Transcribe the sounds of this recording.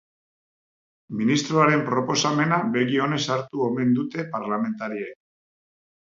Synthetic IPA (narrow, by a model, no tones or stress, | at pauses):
minist̪ɾoaɾe̞mpɾo̞po̞same̞nabe̞ɣio̞ne̞saɾt̪uome̞nd̪ut̪e̞paɾlame̞nt̪aɾiek